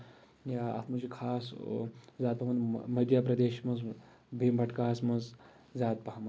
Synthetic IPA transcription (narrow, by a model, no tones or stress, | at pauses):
jaɐ̰t̪ʰmɐt͡ʃikʰaːs | zʲaːd̪̚pɐmɐnmɐd̪japɾɐd̪eːʃmɐz | bʱimbʱɐʈkaːsmɐnz | zʲaːt̪̚pɐɦɐmɐn